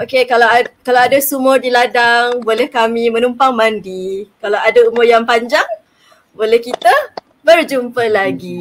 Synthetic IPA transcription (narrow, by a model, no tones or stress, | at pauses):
okekalawakalawadasumɔdiladaŋbolɛhkamimə̃numpaŋmandikalawadaumɔjaŋpaɲd͡ʒaŋ | bolɛhkit̪ə | bərd͡ʒumpəlaɡi